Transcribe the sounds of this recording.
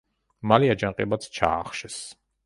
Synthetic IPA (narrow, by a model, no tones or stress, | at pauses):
maliad͡ʒanqʼɛbat̪sʰt͡ʃʰa̰ːχʃɛs